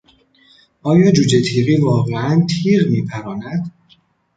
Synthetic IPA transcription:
ʔɒːjɒːd͡ʒuːd͡ʒet̪ʰiːɣiːvɒːɣeænt̪ʰiːʁmiːpʰæɾɒːnæd̪̥

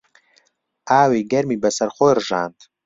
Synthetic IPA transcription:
aːwiɡarmibasarχoirʐaːntʼ

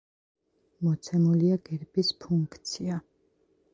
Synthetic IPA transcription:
mɔt̪sʰɛmuliaɡ̥ɛɾbispʰuŋkkʰt̪sʰia

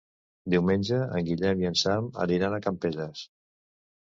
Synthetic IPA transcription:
d̪iwmenʲd͡ʒəə̰ŋɡiʎɛmjənsamə̰liɾanakampeʎəs

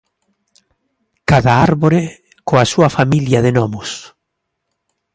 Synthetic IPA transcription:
kaðaaɾβoɾe | koasuɐfamiljaðenɔmʊs

